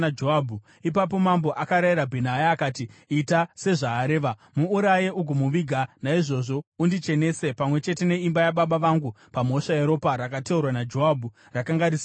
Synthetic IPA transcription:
ad͡ʒoabʱu | ip̬ap̬o̞mambo̞ʔakaɾajiɾabʱenajaːkaːtiitase̞ʐaːɾe̞ːʋamuːɾajeʔuɡʱomuʋiɡʱanaiʐo̞ʐo̞undit͡ʃe̞ne̞se̞pamwe̞t͡ʃe̞te̞ne̞imbajaɓaɓaʋaŋɡu | pamo̞ʂaeɾo̞paɾakateurwanad͡ʒo̞abʱu | rakaŋɡaɾis

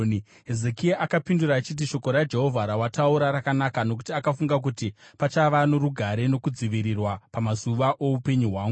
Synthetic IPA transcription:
ɦezekiaʔakapinduɾaːt͡ʃit̬iʃo̞ko̞ɾad͡ʒe̞ɦo̞vʱaɾawatauɾaɾakanakano̞k̬u̥tiakafuŋɡak̬utipat͡ʃaʋanoɾuɡʱaɾe̞no̞kud͡ziʋiɾirwapamazuʋaʔo̞upe̞ɲuɦwaːŋɡu

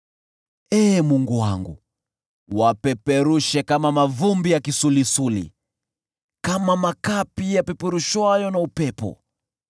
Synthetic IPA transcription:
ɛːmuŋɡuwa̰ŋɡṵ | wapɛpɛɾuʃɛkamamavumbijakisulisulḭ | kamamakapijapɛpɛɾuʃwajɔnaupɛpɔ̰

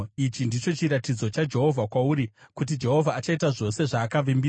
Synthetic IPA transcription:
it͡ʃindit͡ʃo̞t͡ʃiɾatid͡zo̞t͡ʃad͡ʒe̞ɦo̞vʱakwauɾikut̬id͡ʒe̞ɦo̞vʱaːt͡ʃaitaʐo̞se̞ʐaːkaʋimbi

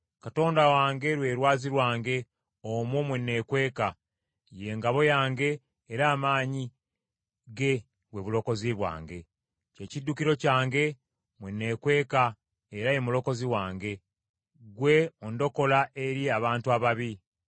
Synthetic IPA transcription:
kato̞ːndawaːŋɡe̞ɾwe̞ːɾwaːziɾwaːŋɡe̞ | omomwenːe̞kwe̞ːka | je̞ŋɡaβo̞jaːŋɡe̞ː | ɾaːmaːɲi | ɡe̞ | βwe̞βulo̞ko̞ziβwa̰ːŋɡe̞ | ce̞cidːukiɾo̞caːŋɡe̞ | mwenːe̞ːkwe̞ːka | eɾaje̞mulo̞ko̞ziwaːŋɡe̞ | ɡwe̞ondo̞ko̞laʔe̞ɾiaβaːntuaβaβi

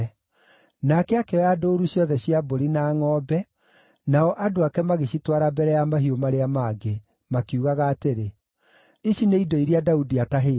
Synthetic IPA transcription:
nakɛakɛadoːɾuɕjɔðɛɕiaboɾinaːŋɔːbɛ | naɔʔadoakɛmaɣeɕitwaɾabɛɾɛjamaɦiomaɾeamaːɡe | makiuɣaɣaːteɾe | iʃineidɔiɾiadaudiataɦeː

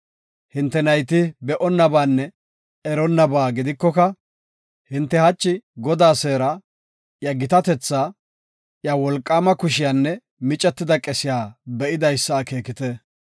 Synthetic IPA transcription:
hɪnt̪ːɛnɐjt̪ɪbɛʔɔnːɐbaːnːɛ | ɛɾɔnːɐbaːɡɪd̪ɪkːɔkɐ | hɪnt̪ːɛhɐt͡ʃːɪɡɔd̪aːseːɾɐ | jɐɡɪt̪ɐt̪ɛt͡sːaː | jɐwɔlkʼːaːmɐkʊʃɪjaːnːɛ | mɪt͡ʃʼːɛt̪ːɪd̪ɐkʼɛsɪjaːbɛʔɪd̪ɐjsːaːkeːkɪt̪ɛ

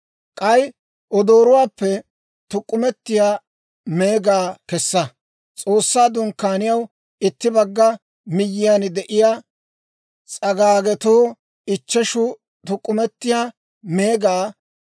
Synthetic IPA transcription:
kʼɐj | ʔɔd̪o̞ːɾʊwaːpːɛ | t̪ʊkʼːʊmɛt̪ːɪjaː | meːɡaːkɛsːɐ | t͡sʼo̞ːsːaːd̪ʊŋkːaːnɪjɐw | ɪt̪ːɪbɐɡːɐ | mɪjːɪjand̪ɛʔɪjaː | t͡sʼɐɡaːɡɛt̪oː | ɪt͡ʃːɛʃʊ | t̪ʊkʼːʊmɛt̪ːɪjaː | meːɡaː

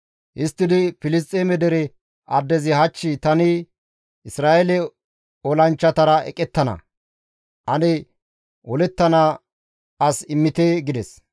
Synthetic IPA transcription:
ʔɪst̪ːɪd̪ɪfɪlɪs̬t̪ʼːeːmɛd̪ɛɾɛ | ɐd̪ːɛzɪɦɐt͡ʃːɪt̪ɐnɪ | ɪsɾaːʔɛlɛ | ɔlɐnt͡ʃːɐt̪ɐɾɐʔɛ̰kʼɛt̪ːɐnɐ̰ | ʔɐnɛ | wɔlɛt̪ːɐna | ɐsɪmːɪt̪eɡɪd̪ɛs

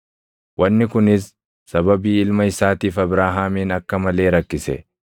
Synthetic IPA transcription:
wʔɐnːɪkʊnɪsː | ɐbɐbiːɪlmɐɪsaːt̪iːfɐbɾaːɦaːmiːnɐkːɐmɐle̞ːɾɐkːɪsɛ̰

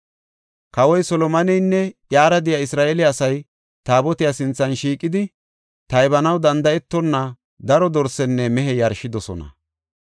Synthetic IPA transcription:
kɐwɔjsɔlɔmɐnɛjnːɛʔjaːɾɐd̪ɪjaɪsɾaːʔelɪɐsɐj | t̪aːbɔt̪ɪjasɪnt͡sːɐnʃiːkʼːɪd̪ɪ | t̪ɐjbɐnɐwd̪ɐnd̪ɐɛt̪ːɔnːɐ | d̪ɐɾɔd̪ɔɾsɛnːɛmɛɦɛjɐɾʃɪd̪ɔsɔ̰nɐ̰

